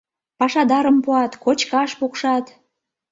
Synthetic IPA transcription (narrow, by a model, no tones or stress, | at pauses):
pɑʃɑd̪ɑɾəmpuɑt̪kot͡ɕkɑʃpukʃɑt̪